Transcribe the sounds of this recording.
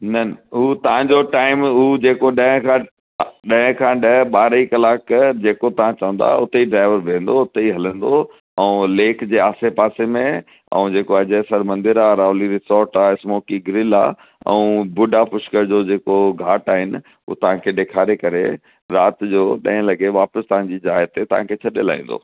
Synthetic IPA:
nɐnɦuːt̪ɐʋ̤ãɲd͡ʑoʈaːɪmuːd͡ʑeːkoɗɐ̃ɦkʰã | ɗɐ̃ɦɪ̃kʰãɗɐɦɓaːɾikɐlaːkd͡ʑeːkot̪ɐʋ̤ãt͡ɕɐʋə̃nd̪a̰ʊt̪eiɖɾaːɪʋəɾʋʱẽːnd̪oʊt̪eiɦɐlə̃nd̪o | ɛ̃ũleːkʰd͡ʑeːaːsepaːsemẽ | ɛ̰̃ũd͡ʑeːkoɐd͡ʑesɐɾmɐ̃nd̪ɪɾaːɾaːʋliɾɪsɔːɾʈaːɪsmoːkiɡɾɪla̰ː | ɛ̰̃ũbʊɖapʊʃkəɾd͡ʑod͡ʑeːkoɡʱaːʈaːɦɪnɪ | ṵot̪ɐʋ̤ãkʰeːɗeːkʰaːɾekɐɾe | ɾaːt̪d͡ʑoːɗɐ̰̃ɦɪ̃lɐɡeʋaːpəst̪ɐʋ̤ãɲd͡ʑid͡ʑɦaːjət̪ːet̪ɐʋ̤ã̰kʰeːt͡ɕʰɐɗela̰ːĩn̆d̪o̰ː

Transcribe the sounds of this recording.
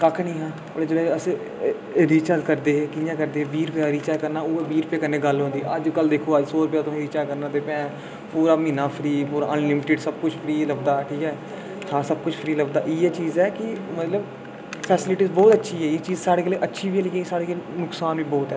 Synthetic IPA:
kakʰnĩːɦãː | oɽed͡ʒeːɽeːəs | ɾiːt͡ʃaːd̪kəɾd̪eːɦːkɪjãːkəɾd̪eːbiːɾpeaːɾiːt͡ʃaːkəɾnaːʊeːbiːɾpeːkənːẽːɡəlɦõːnd̪iɛəd͡ʒkəld̪eːkʰoːəd͡ʒsɔːɾəpjaːt̪ʊsĩɾiːt͡ʃaːkəɾnãːd̪eːpɛ̃ː | puːɾaːmĩːnãːpʰɾiːpuːɾaʔənlɪmɪʈəɖsəb̚kʊt͡ʃʰpʰɾiːləɡ̚d̪aːʈʰiːkɛː | hʰaːsəb̚kʊt͡ʃʰpʰɾiːləɡd̪aːʔiːɛːt͡ʃiːzɛːkɪmət̪ləb | pʰɛːsɪlɪʈiːzbɔːt̪ətːʃʰiːɦɛːjeːt͡ʃiːzsaːɽeːkeleːʔətːʃʰiːbiːlekeːsaːɽeːkelnʊksaːnʋiːbɔːt̪ɛː

